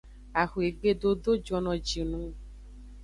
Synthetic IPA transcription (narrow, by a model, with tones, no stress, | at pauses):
a˨xu˨e˨ɡ͡be˦d̪o˦d̪o˦d͡ʒɔ˨nɔ̃˨d͡ʒi˨nũ˦